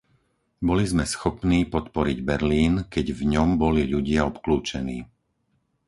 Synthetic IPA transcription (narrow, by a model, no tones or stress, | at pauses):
bɔlizmɛsxɔpniːpɔt̪pɔɾiɟbɛɾliːnkɛɟvɲɔmbɔliʎuɟɪaɔpkluːt͡ʃɛnḭː